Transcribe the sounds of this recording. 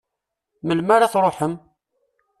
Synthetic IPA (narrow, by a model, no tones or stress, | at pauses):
məlmaɾaθɾˤoħəm